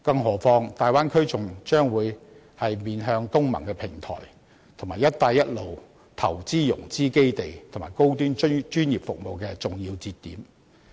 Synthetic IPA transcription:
kɐ˧ŋɦɔː˨˩fɔː˧ŋt̪aː˨jwaː˥nkʰɵ˥ɥt͡sʊ˨ŋt͡ʃœː˥ŋwuː˨˧j | hɐ˨jmiː˨nɦœː˧ŋt̪ʊ˥ŋmɐ̰˨˩ŋkɛ˧pʰɪ˨˩ŋt̪ʰɔ̰ː˨˩j | t̪ʰʊ˨˩ŋmaː˨˩jɐ˥t̚t̪ːaː˧jɐ˥t̚lo˨w | t̪ʰɐ̰˨˩wt͡siː˥jʊ̰˨˩ŋt͡siː˥ke˥jt̪e˨jt̪ʰʊ˨˩ŋma̰ː˨˩jko˥wt̪̬yː˥nt͡ʃɵ˥t͡ʃyː˥njiː˨˩p̚fʊ˨k̚mo˨wkɛː˧t͡sʊ˨˩ŋjiː˧wt͡siː˧t̪ːiː˨˥m

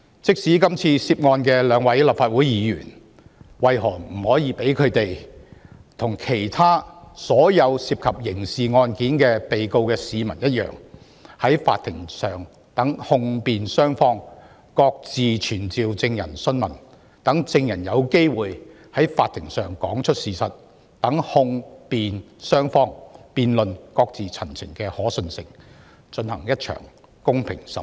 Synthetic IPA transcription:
t͡sɪ˥k̚siː˨˥kɐ˥mt͡sʰiː˧siː˧p̚ŋɔː˧nkɛː˧lœː˨˥ŋwɐ˨˥jla˨p̚faː˧t̚wu˨˥jjiː˨˧jy̰ː˨˩n | wɐ˨˧jɦɔː˨˩ŋm̩˨˩hɔː˨˥jiː˧pe˨˥jkʰɵ˨˧t̪e˨j | t̪ʰʊ˨˩ŋkʰe˨˩jt̪ʰaː˥sɔː˨˥jɐ˨˧wsiː˧p̚kʰɐ˨p̚jɪ˨˩ŋsiː˨˩ŋɔː˧nkiː˨˥nkɛː˧pe˨jko˧wkɛː˧siː˨˧mɐ˨˩njɐ˥t̚jœ̰ː˨˩ŋ | hɐ˨˥jfa̰ː˧t̪ʰːɪ˨˩ŋsœː˨ŋ | t̪ɐ˨˥ŋhʊ˧ŋpiː˨nsœː˥ŋfɔː˧ŋ | kɔː˧k̚t͡siː˨t͡ʃʰyː˨˩nt͡siː˨wt͡sɪ˧ŋjɐ˨˩nsɵ˥nmɐ˨˩n | t̪ɐ˨˥ŋt͡sɪ˧ŋjɐ˨˩njɐ˨˧wke˥jwuː˨j | hɐ˨˥jfa̰ː˧t̪ʰɪ˨˩ŋsœː˨ŋkɔː˨˥ŋt͡ʃʰɵ˥t̚siː˨˩sɐ˨t̚ | t̪ɐ˨˥ŋhʊ˧ŋpiː˨n | sœː˥ŋfɔː˥ŋpiː˨˧nlɵ˨nkɔː˧k̚t͡siː˨t͡sʰɐ˨˩nt͡sʰɪ̰˨˩ŋkɛː˧hɔː˨˥sɵ˧nsɪ˨ŋ | t͡ʃɵ˧nhɐ˨˩ŋjɐ˥t̚t͡ʃʰœ̰ː˨˩ŋ | kʊ˥ŋpʰɪ˨˩ŋsɐ˨˩

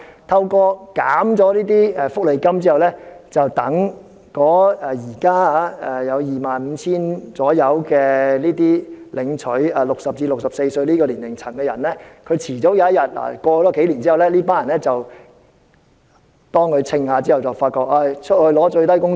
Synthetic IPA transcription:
t̪ʰɐ˧wkɔː˧ka̰ː˨˥mt͡sɔː˨˥liː˥t̪̬iː˥ɛ˨˩fʊ˥k̚le˨jkɐ˥mt͡si˥hɐ˨˩wlɛː˥t͡sɐ˨wt̪ɐ˨˥ŋ | kɔː˨˥ɛ˨jiː˨˩kaː˥a˧˥ɛ˨jɐ˨˧wjiː˨maː˨nm̩ː˨˧t͡sʰiː˥nt͡sɔː˨˥jɐ˨˧wkɛː˧liː˥t̪̬iː˥lɪ˨˧ŋt͡ʃʰɵ˨˥ɥaː˨˩lʊ˨k̚sɐ˨p̚iː˧lʊ˨ksɐ˨p̚se˧jsɵ˧ɥliː˥kɔː˧li˨˩nlɪ˨˩ŋt͡sʰɐ˨˩ŋkɛ˧jɐ˨˩nlɛː˥kʰɵ˨˧ɥt͡sʰiː˨˩t͡so˨˥wjaː˨˧jɐ˥t̚jɐ˨t̚la̰˨˩kʷɔː˧t͡sɔː˨˥ke˨˥jliː˨˩nt͡siː˥hɐ˨˩wlɛ˥liː˥paː˥njɐ˨˩nlɛː˥t͡sɐ˨w | t̪ɔː˥ŋkʰɵ˨˧t͡sʰɪ˧ŋhaː˨˧t͡siː˥hɐ˨˩wt͡sɐ˨˩wfaː˧t̚kɔː˧k̚a˧˩t͡ʃʰɵ˥t̚hɵ˧lɔː˨˥t͡ʃɵ˧ɥt̪ɐ˥jkʊ˥ŋ

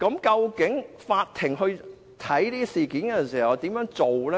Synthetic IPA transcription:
kɐ˨˥mkɐ˧wkɪ˨˥ŋfaː˧t̚t̪ʰɪ˨˩ŋɦɵ˧ɥ | t̪ʰɐ˨˥jt̪iː˥siː˨kiː˨˥nkɛ˧˨˩siː˨˩hɐ˨˩ɔ˧t̪i˨˥mjœː˨˥ŋt͡so˨wlɛ˦

